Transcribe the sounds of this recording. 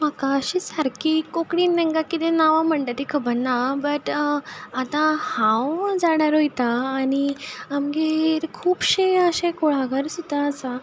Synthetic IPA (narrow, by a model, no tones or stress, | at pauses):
m̤akaəɕisaɾkikokɽiːnːɛ̃ŋkakit̪ẽnaʋãm̤əɳʈat̪ikʰəbənːabəʈ | at̪ãhãwd͡zaɽaɾojt̪aːniamɡeɾkʰuːpɕeəɕẽkoɭaɡəɾsit̪aəsa